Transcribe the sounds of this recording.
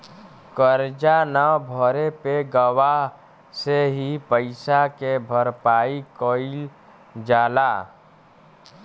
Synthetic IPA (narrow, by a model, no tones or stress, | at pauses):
kəɾd͡ʒanabʱɔɾepeɡəwaɦ | seɦipəɪsakebʱəɾpaːikoːɪl | d͡ʒaːlaː